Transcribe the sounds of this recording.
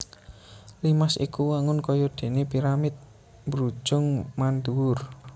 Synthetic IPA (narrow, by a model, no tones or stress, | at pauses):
limasḭkuwaŋʊnkɔjɔd̪̥e̤nepiɾamɪt̪̚ | bɾu̥ʒ̥ʊŋmand̪uwʊr